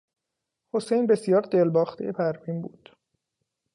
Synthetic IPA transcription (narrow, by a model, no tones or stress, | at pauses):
ho̞sejnbe̞sijɒːɾd̪elbɒːxt̪ʰḛjepʰæɾviːmbṵːd̪̥